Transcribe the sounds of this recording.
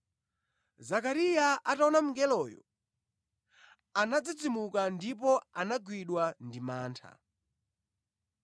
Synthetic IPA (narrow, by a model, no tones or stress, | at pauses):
zakaɾijaataɔnam̩ŋɡɛlɔːjɔ̰ | anad͡zid͡zimukandipɔanaɡwiɗwandimaːntʰa̰